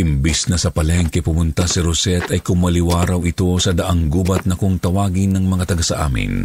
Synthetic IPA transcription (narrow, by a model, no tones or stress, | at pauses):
ʔɪmbisnɐsɐpɐlɛŋkɛpʊmʊnt̪asɪɾʊsɛt̪ɐjkʊŋmɐlɪwaːɾawɪt̪o̞sɐd̪ɐʔaŋɡuːbɐt̪̚nɐkoŋt̪ɐwaːɡɪnːɐŋmɐŋat̪ɐɡasɐʔa̰ːmɪ̰n